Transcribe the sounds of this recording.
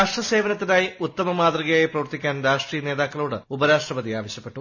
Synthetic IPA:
aːʂʈrɐse̞ːʋɐnɐt̪ːinaːjiut̪ːɐmɐmaːd̪riɣɐjaːjiprɐʋɐrt̪ikʲːaːnɾaːʂʈriːjɐne̞ːðaːkːɐɭoːɽɨubɐɾaːʂʈrɐbɐd̪iaːʋɐɕjɐpːe̞ʈːu

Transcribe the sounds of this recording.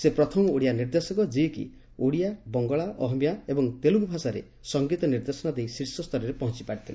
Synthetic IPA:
sepɾɔt̪ʰɔmɔoɽijaniɾd̪esɔkɔd͡ʒiekḭ | oɽijabɔŋɡɔɭaʔɔɦɔmjaebɔŋt̪eluɡubʱasaɾḛ | sɔŋɡit̪ɔniɾd̪esɔnad̪eisiɾsɔst̪ʰɔɾɔɾepɔɦɔ̃t͡ʃipaɽit̪ʰile

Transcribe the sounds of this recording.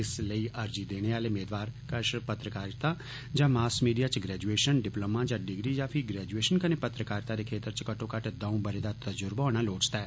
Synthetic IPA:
ɪsləiːʔəɾd͡ʒiːd̪eːɽ̃eːaːleːmeːd̪ʋaːɾkəʃpət̪ɾəkaːɾt̪aː | d͡ʒãːmaːsmiːɖijaːt͡ʃɡɾɛːd͡ʒueːʃənɖɪplomãːd͡ʒãːɖɪɡɾiːd͡ʒaːpʰiɡɾɛːd͡ʒueːʃənkəneːpət̪ɾəkaːɾt̪aːɾeːkʰeːt̪əɾt͡ʃkəʈʰõːkəʈd̪ãũbəɾed̪aːt̪əd͡ʒʊɾbaɔːɽ̃aːloːt͡ʃt̪aɛː

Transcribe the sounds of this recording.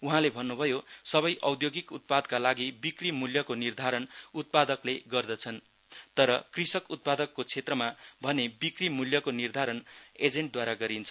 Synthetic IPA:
uɦãlebʱʌnːubʱʌjosʌbʌjʔʌwd̪joɡikut̪̚pad̪kalaɡibikrimuljʌkonird̪ʱaɾʌnut̪̚pad̪ʌkleɡʌrd̪ʌt͡sʰʌn | t̪ʌɾʌkrisʌkut̪̚pad̪ʌkːot͡sʰet̪rʌmabʱʌnebikrimuljʌkonird̪ʱaɾʌned͡zeɳʈ̚d̪waɾaɡʌɾint͡sʰʌ

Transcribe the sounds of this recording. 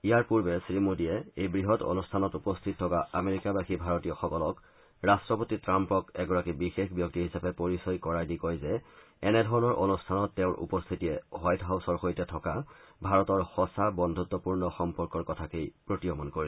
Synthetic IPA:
ijaɹpuɹbɛsɹimudiɛejbɹiɦɔto̰nustʰanɔtupɔstʰit̚tʰːɔkaameɹikabaxʰibʱaɹɔtijɔxɔkɔlɔk | ɹastɹɔpotitɹampɔkɛɡɔɹakibixexbjɔk̚tiɦisapɛpoɹisɔjkɔɹajdikɔjzɛ | ɛnɛdʱɔɹɔnɔɹʔonustʰanɔtːɛʊ̃nʔṵpɔstʰitijɛɦajtɦawsɔɹxojtɛtʰɔkabʱaɹɔtɔɹxɔsabɔndʱut̪wɔpuɹnɔxɔmpɔɹkɔɹkɔtʰakejpɹotɹijɔmɔnkoɹi

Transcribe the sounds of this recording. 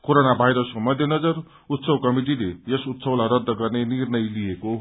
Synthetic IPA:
koɾonabʱajɾʌskomʌd̪ʱjʌnʌd͡zʌr | ut̪sʌwkʌmiʈ̬ilejʌsut̪sʌwlaɾʌd̪ʱːʌɡʌrnenirnʌjlijeko

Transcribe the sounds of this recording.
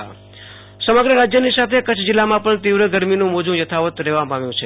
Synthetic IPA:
səməɡɾəɾad͡ʒjənisat̪ʰekət͡ʃʰd͡ʒɪlːamãpəɳt̪iʋɾəɡəɾminũmod͡ʒũjət̪ʰaʋət̪ɾeʋamaʋjũt͡ʃʰe

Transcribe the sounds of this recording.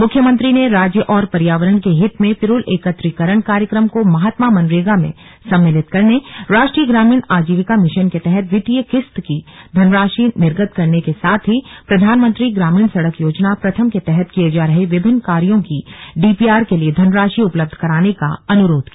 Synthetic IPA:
mʊkʰjəmə̃nt̪ɾineɾaːd͡ʒjəʔɔːɾpɐɾjaːʋəɾəɳkeɦɪt̪mẽpɪɾʊleːkət̪ɾɪkəɾəɳ̃kaːɾjəkɾəmkomɐɦat̪mamɐ̃nɾeːɡamḛ̃ | sɐ̃mːɪlɪt̪kɐɾneɾaːʃʈɾiːjəɡɾaːmiːɳaːd͡ʒiːʋɪkamɪʃənket̪ɛɦɛt̪ʋɪʈ̪ijəkɪst̪kid̪ʱɐnɾaːʃinɪɾɡət̪kɐɾnekesaːt̪ʰɦipɾɐd̪ʱaːnmə̃nt̪ɾiɡɾaːmiːɳsɐɽəkjoːd͡ʒnapɾɐt̪ʰəmket̪ɛɦɛt̪kijed͡ʒaːɾɐɦeʋɪbʱɪnːkaːɾijõkiɖiːpiːaːɾkelied̪ʱɐnɾaːʃiʊpləb̚d̪ʱkɐɾaːneka̰ɐnʊɾoːd̪ʱkia

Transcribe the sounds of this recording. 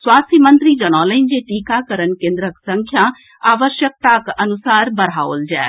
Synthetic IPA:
swaːst̪ʰjimənt̪ɾid͡ʒɐñaːləɪnd͡ʑeʈikakəɾənkẽːnd̪ɾəksə̃ŋkʰjã | aːʋəʃjək̚t̪akɐnusaːɾbɐɾ̤aːold͡ʒɛ̰ː

